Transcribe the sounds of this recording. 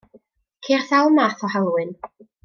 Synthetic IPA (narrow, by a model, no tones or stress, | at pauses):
kʰerθawˠmaːθɔhalˠwɨn